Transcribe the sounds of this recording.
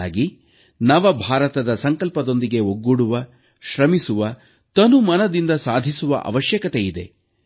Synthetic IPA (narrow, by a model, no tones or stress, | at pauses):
aːɡi | nɐʋɐbʱaːɾɐt̪ɐd̪ɐsɐŋkɐlpɐd̪o̞nd̪iɡe̞ɦoɡːuɽuʋɐ | ʃɾɐmisuʋɐ | t̪ɐnumɐnɐd̪ind̪ɐsaːd̪ʱisuʋɐ̰ʔɐ̰ʋɐʃjɐkɐt̪ejid̪e̞̰